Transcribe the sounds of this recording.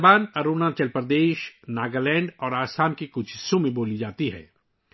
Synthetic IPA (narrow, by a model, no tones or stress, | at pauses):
baːnɐɾuːnat͡ʃɐlpɾd̪eːʃnaːɡalɛ̃ːɳɖɔːɾaːsaːmkikʊʃɪ̥sõmẽboːlid͡ʒaːt̪iɦɛ̰ː